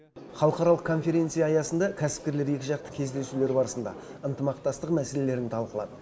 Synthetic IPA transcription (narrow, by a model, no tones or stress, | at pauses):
χɑlˠəqɑɾɑlˠəqkʰo̞nfe̞ɾʲe̞nt̪sɨjɑːjɑsənd̪ɑkʲʰæsɪ̥p̚kʲe̞ɾle̞ɾje̞kʲɪʒɑqt̪ə̥kʲʰe̞zd̪e̞sule̞ɾbɑɾəsənd̪ɑ̰ | ənt̪əmɑqt̪ɑst̪əqmæse̞le̞le̞ɾnɪt̪ʰɑlˠqəlˠɑ̰d̪ə